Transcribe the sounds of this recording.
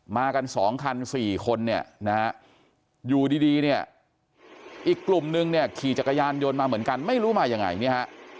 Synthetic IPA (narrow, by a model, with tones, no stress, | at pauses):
maː˧ka˧nsɔː˩˦ŋkʰa˧nsiː˨˩kʰo˧nːi˥˩ɐna˦ha˦˥ | juː˨˩diː˧diː˧ni˥˩ɐ | ʔiː˨˩kːlu˨˩mnɯ˧ŋni˥˩ɐkʰiː˨˩t͡ɕa˨˩kːa˧jaː˧njo˧nmaː˧mɯ˩˦ənka˧nma˥˩jɾuː˦˥maː˧ja˧ŋa̰˧jni˦˥˩ha˦˥ʔ